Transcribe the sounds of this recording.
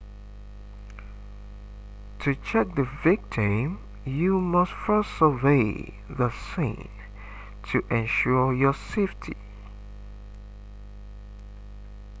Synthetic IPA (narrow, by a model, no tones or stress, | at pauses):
tʰut͡ʃʰɛk̚ðəvɪk̚tʰĩm | jumʌstfɜ˞səveɪ | ðəsɪ̰̃n | tʰɨʔɛ̃nʃuɹjɔseɪftʰḭ